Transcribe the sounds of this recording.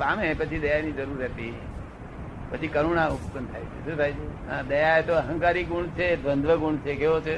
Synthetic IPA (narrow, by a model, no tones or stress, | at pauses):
pamẽpət͡ʃʰid̪əjajnid͡ʒəɾuɾɦɛt̪i | pət͡ʃʰikəɾuɳauptənt̪ʰa̰jt͡ʃʰḛʃũt̪ʰajt͡ʃʰe | ãd̪əjaet̪oəɦə̃ŋkaɾiɡuɳt͡ʃʰed̪ʋənd̪ʱʋəɡuɳt͡ʃʰekeʋot͡ʃʰe